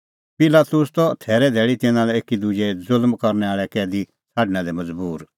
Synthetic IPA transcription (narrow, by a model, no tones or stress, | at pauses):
pɪlaːt̪ʊst̪ɔt̪ʰɛːɾɛd̪ʱɛːɭit̪ɪ̃nãlɛeːkid̪ud͡ʒɛd͡zʊlmkɔɾnɛaːɭɛkɛːd̪i | t͡sʰaːɖnãd̪ɛmɐd͡zbuːɾ